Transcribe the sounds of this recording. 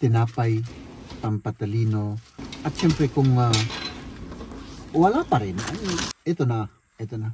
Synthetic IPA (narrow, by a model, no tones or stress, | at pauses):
t̪enapaj | pampat̪alinoat͡ʃempɾekuŋa | uwalapaɾena̰net̪ona | et̪ona